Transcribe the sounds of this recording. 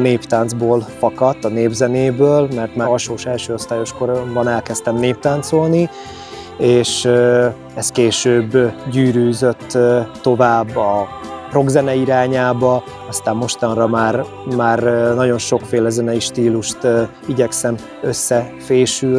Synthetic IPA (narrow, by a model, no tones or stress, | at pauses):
neːpt̪aːnd̪zboːlfɒkɒt̪ːɒneːbzɛneːbøːlmɛrt̪maːɒʃoːʃɛlʃøːost̪aːjo̞ʃko̞ɾombɒnɛlkɛst̪ɛmneːp̚t̪aːnt̪so̞lni | eːʃ | ɛst̪keːʃøːbːɟyːɾyːzø̞t̪ːo̞vaːbːɒpro̞ɡzɛnɛiɾaːɲaːbɒ | ɒst̪aːmːo̞ʃt̪ɒnrɒmaːr | maːrnɒɟo̞nʃo̞kfeːlɛzɛnɛiʃt̪iːluʃt̪ | iɟɛksɛm | øsːɛfeːʃy